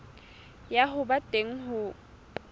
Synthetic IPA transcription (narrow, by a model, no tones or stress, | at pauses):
jaɦʊbatʼeŋ̩ɦʊ